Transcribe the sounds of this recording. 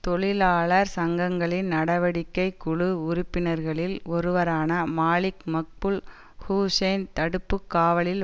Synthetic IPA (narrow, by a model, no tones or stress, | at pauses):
t̪ɔɭɪlaːɭɐɾsɐŋɡɐŋɡɐɭɪnnɐɽɐʋɐɽɪkːɐɪkːʊɻɯʊɾʊpːɪnɐɾɣɐɭɪlɔɾɯʋɐɾaːnɐmaːlɪkmɐk̚pɯl | huːseːnt̪ɐɽɯpːɯkːaːʋɐɭɪl